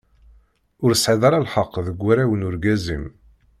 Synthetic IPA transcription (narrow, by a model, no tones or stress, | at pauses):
ʊɾəsʕiðˤɑɾˤɑlħəqːðəɡʷːæɾæwənʊɾɡæzim